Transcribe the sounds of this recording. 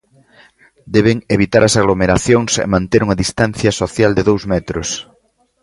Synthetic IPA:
d̪ɛβeŋeβit̪aɾʔɐsaɣlomeɾaθjoŋsɛ̰mãnt̪eɾuŋɐðist̪anθjɐsoθjald̪eðowzmɛt̪ɾʊs

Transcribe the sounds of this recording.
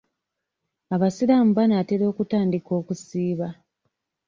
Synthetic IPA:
aβasiɾamubanaːteɾo̞ːkutaːndiko̞ːkusiːβa

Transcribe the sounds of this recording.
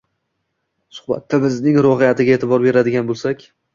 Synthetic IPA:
sʊ̥χba̰t̪ʰːabɪznɪŋɾɒɦɪjat̪ʰɪɡʲaet̪ʰɪbɒɾbe̞ɾad̪ɪɡʲanbolˠsakʲ

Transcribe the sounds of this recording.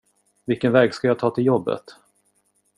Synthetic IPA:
vɪlkənvɛːɡskajaːt̪ʰɑːt̪ʰɪljɔbːə̰t̪

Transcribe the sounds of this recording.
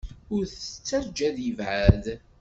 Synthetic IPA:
ʊɾθət͡sːəɾd͡ʒæðjəvʕað

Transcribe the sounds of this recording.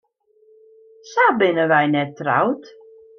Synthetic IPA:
sabɪnəʋɛjnɛtːra̰wt

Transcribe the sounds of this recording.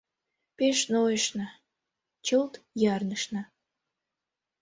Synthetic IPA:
peʃnojəʃnɑ | t͡ɕəlt̪jɑrnəʃnɑ

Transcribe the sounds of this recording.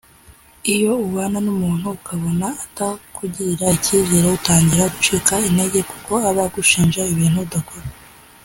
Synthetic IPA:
ijo̞uwaːnanumuːn̥huːkʰaβo̞naːtakuɟiɾaiciβɟiːɾoutaːɲɟiɾaɡut͡ʃikainde̞ɟe̞ku̥ko̞aβaɡuʃiːnʒaiβiːn̥hudakoɾa

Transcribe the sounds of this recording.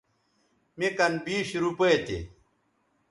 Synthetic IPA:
mikɐnbiːɕɾupɐjt̪ḛ

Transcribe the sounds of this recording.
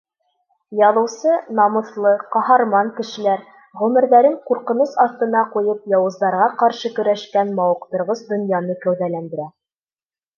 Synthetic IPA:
jɑðɤ̆wsɤnɑmɤ̆θlˠɤqɑhɑɾmɑŋkɘ̆ʃɘ̆læɾ | ʁʉmɘ̆ɾðæɾɘɴquɾqɤ̆nɤsɑθt̪ɤ̆nɑqujɤpjɑwɤ̆zd̪ɑɾʁɑqɑɾʃɤkɵ̆ɾæʃkænmɑwɤ̆qt̪ɤ̆ɾʁɤsd̪ŏnjɑnɤkæwðælænd̪ɘ̆ɾæ

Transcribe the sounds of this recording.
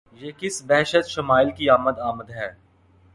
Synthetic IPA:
jeːkɪsbɛɦʃət̪ʃɐmaːɪlkiaːməd̪aːməd̪ɦɛː

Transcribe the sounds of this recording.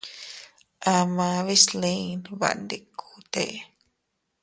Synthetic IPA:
ʔamãβislinβa̰ʔnd̪ikʰːut̪eʔ

